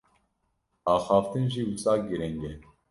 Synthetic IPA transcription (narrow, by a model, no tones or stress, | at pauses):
ɑːxɑːft̪ɨnʒiwusʼɑːkɡiɾɛŋɡɛ